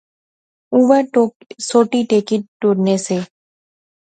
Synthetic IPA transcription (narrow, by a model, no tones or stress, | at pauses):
uːʋəɾʈoːksoːʈiʈeːkiʈʈuːɾneseː